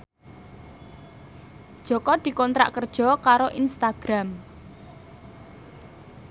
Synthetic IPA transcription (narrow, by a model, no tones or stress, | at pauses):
d̥ʒ̥ɔ̤kɔd̪̥i̤kɔnt̪ɾa̰ʔkərd̥ʒ̥ɔ̤kaɾoʔinst̪aɡ̥ɾam